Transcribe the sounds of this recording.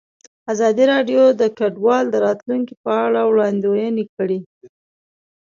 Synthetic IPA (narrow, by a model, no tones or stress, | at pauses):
azɑd̪iɾɑɖjod̪əkaɖwɑld̪əɾɑt̪luŋkipəaɭawɽɑnd̪ojənekəɽi